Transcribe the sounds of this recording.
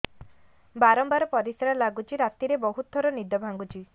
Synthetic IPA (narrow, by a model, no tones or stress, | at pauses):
baɾɔmbaɾɔpɔɾisɾalaɡut͡ʃʰiɾat̪iɾebɔɦut̪̚ɔɾɔnid̪ɔbʱaŋɡut͡ʃʰi